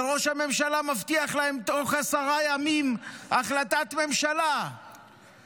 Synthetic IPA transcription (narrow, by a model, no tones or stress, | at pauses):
ʁo̞ʃhame̞mʃalamaft̪iaχlahe̞mt̪o̞χasaʁajamimaχlat̪at̪me̞mʃala